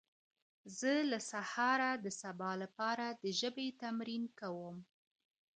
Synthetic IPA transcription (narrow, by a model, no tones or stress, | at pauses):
zəlasahɑɾad̪əsabɑlapɑɾad̪əʒəbet̪amɾinkawəm